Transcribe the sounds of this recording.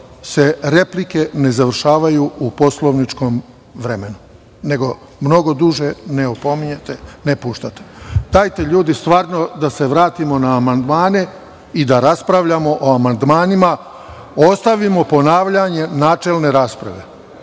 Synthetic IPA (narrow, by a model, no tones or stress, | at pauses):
se̞ɾe̞plike̞ne̞zaʋr̩ʃaːʋajuupo̞slˠoʋnit͡ʃko̞m | ʋɾemenu | ne̞ɡo̞ | mno̞ɡo̞d̪uʒe̞neopo̞miɲet̪enepuːʃt̪at̪e̥d̪̥ajt̪e̞ʎuːd̪ist̪ʋaːɾno̞d̪ase̞ʋɾaːt̪imo̞naːmand̪maːne̞ | id̪aɾaspɾaʋʎamo̞ʔoamand̪maːnima | o̞st̪aʋimo̞po̞naːʋʎaɲe̞naːt͡ʃe̞lˠne̞ɾaːspɾa̰ʋe̞